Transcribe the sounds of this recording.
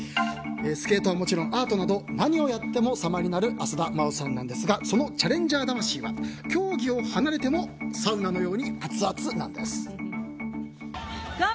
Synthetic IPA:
eːsɨ̥ke̞ːt̪o̞βamo̞t͡ɕiɾõ̞ʔaːt̪o̞nad̪onaɲ̟io̞jat̪ːe̞mo̞samaɾʲinaɾɯ̟ʔasɨd̪amaɯsãnːã̰nd̪e̞sɨɡaso̞no̞t͡ɕaɾẽ̞ɲ̟d͡ʑaːd̪amaɕiːβakʲo̞ːɡʲio̞hanaɾe̞t̪e̞mo̞saɯ̟nano̞jo̞ːɲ̟ihat͡sɨat͡sɨnã̰nd̪e̞sɨ̥

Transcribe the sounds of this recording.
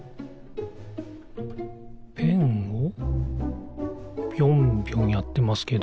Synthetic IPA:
pʰeŋo | bjombjoŋijat̪ːe̞masɨ̥ke̞d̪

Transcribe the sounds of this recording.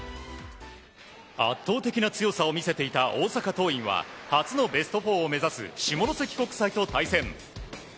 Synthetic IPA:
a̰t̪ːo̞ːt̪e̞kʲinat͡sɨjo̞sao̞mʲise̞t̪e̞it̪aʔo̞ːsakat̪o̞ːĩɰ̃βa̰hat͡sɨno̞be̞sɨ̥t̪o̞ɸo̞ːme̞zasɨ̰ɕimoɾose̞kʲi̥ko̞kɯ̥sait̪o̞t̪aisẽ̞m

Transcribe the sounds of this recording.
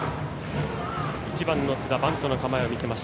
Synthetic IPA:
it͡ɕibãnːo̞t͡sɨd̪abãnt̪o̞nokamaeomʲise̞maɕi̥

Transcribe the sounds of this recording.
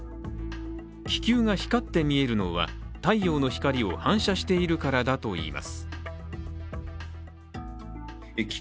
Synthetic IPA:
kʲi̥kʲɨːŋaçi̥kat̪ːe̞mʲie̞ɾɯ̟no̞̰βa̰t̪aijo̞ːno̞çi̥kaɾʲio̞hãɰ̃ɕaɕi̥t̪e̞iɾɯ̟kaɾad̪at̪o̞ḭːma̰sɨ̥ | kʲ

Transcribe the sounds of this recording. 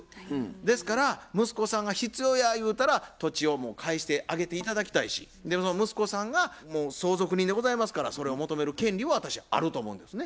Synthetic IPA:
d̪e̞sɨ̥kaɾamɯ̟sɨ̥ko̞sãŋɡaçit͡sɨjo̞ːjajɯ̟ːt̪aɾat̪o̞t͡ɕio̞mo̞ːkʰaiɕi̥t̪e̞ʔaɡe̞t̪eit̪ad̪akʲi̥t̪aiɕḭ | d̪e̞mo̞s̬onomɯ̟sɨ̥ko̞sãŋɡamoːso̞ːzo̞kɯ̟ɲ̟ĩnd̪eɡo̞zaimasɨ̥kaɾa̰so̞ɾe̞o̞mo̞t̪o̞me̞ɾɯ̟kẽ̞nʲɾʲiβaβat̪aɕiaa̰ɾɯ̟t̪oːmo̞ɯ̃nd̪e̞sɨne

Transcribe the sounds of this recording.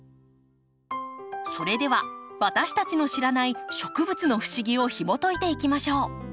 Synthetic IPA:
so̞ɾe̞d̪e̞βaβat̪aɕi̥t̪at͡ɕino̞ɕiɾanaiɕo̞kɯ̟bɯ̟t͡sɨno̞ɸɯ̟̥ɕiɡʲio̞çimo̞t̪o̞it̪e̞ikʲimaɕo̞ː

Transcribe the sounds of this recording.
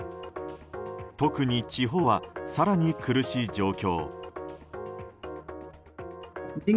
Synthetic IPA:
t̪o̞kɯ̟ɲ̟it͡ɕiɦo̞βasaɾaɲ̟ikɯ̟ɾɯ̟ɕiːd͡ʑo̞ːkʲo̞̰ː | d͡ʑi

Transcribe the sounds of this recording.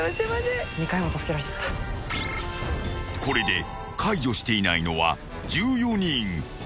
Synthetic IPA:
asemazeɲ̟ikaimot̪asɨ̥keɾaɾet̪e̥t̪ːḁ | ko̞ɾe̞d̪e̞ | kʰaiʑo̞ɕi̥t̪e̞inaino̞βa̰ | d͡ʑɨːjo̞ɲ̟ĩŋ

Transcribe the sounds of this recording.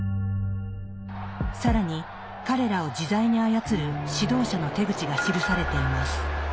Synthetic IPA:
saɾaɲ̟i | kaɾe̞ɾao̞d͡ʑizaiɲ̟iajat͡sɨɾɯ̟ɕid̪o̞ːɕano̞t̪e̞ɡɯ̟t͡ɕiɡaɕiɾɯ̟saɾe̞t̪e̞imasɨ̥

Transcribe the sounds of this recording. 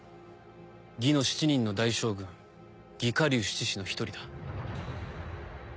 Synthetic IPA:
ɡʲino̞ɕi̥t͡ɕiɲ̟ĩnːo̞d̪aiɕo̞ːɡɯ̟̃ŋ | ɡʲikaɾʲɯːɕi̥t͡ɕiɕino̞çi̥t̪o̞ɾʲid̪a

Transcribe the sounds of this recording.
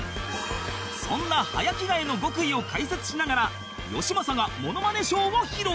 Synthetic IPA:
sõ̞̰nːaha̰jakʲiɡaino̞ɡo̞kɯ̟io̞kaise̞t͡sɨ̥ɕinaɡaɾa | jo̞̰ɕimasaɡamo̞no̞mane̞ɕo̞ːoçiɾo

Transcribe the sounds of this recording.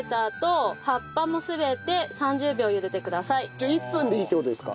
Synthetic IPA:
t̪aːt̪o̞hapːamo̞sɨbe̞t̪e̞sãɲ̟d͡ʑɨːbʲo̞ːjɯ̟d̪e̞t̪e̞kɯ̟d̪asaioipːɯ̟̃nd̪eiːt̪eoːd̪esɨ̥ka̰

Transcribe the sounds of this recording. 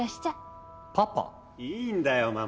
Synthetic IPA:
aɕt̪a | papa̰ | iːnd̪ajoma

